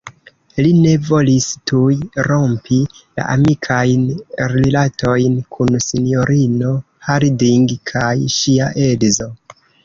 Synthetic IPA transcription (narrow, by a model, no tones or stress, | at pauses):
line̞vo̞listujɾo̞mpʰila̰ʔa̰mikʰajnɾilatʰo̞jnkʰunsinjo̞ɾino̞ | haɾidiŋɡkʰajʃiaʔe̞lzo̞